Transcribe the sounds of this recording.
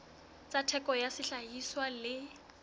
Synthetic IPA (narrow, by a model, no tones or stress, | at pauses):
t͡sʼatʰɛkʼɔjasɪɬaɦiswalɪ